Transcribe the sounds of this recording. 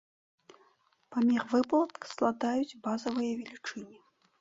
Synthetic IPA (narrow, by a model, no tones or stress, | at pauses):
pamʲiχvɨplˠɐt̪kslˠad̪ajut͡sʲbazɐvɨjɐvʲelʲit͡ʂɨnʲi